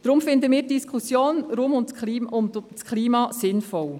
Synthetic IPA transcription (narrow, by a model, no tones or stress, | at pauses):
d̥ɾʊmfɪnd̪əmiːtdiskʰχusjoːnɾumʊntkliʊntskʰliːmɑsɪnfɔl